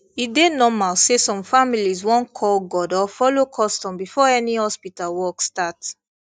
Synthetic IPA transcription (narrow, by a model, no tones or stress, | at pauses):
idenɔmalsesɔ̃mfamilizwɔ̃nkʰɔlɡɔdɔfɔlokʰɔstɔ̃mbifɔɛnihɔspitalwɔkstat